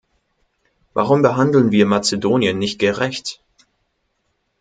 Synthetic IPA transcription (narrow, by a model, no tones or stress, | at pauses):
va̰ʁʊmbəɦandl̩nviːɐmat͡sedoːnjənːɪçt̚ɡ̥əʁɛçt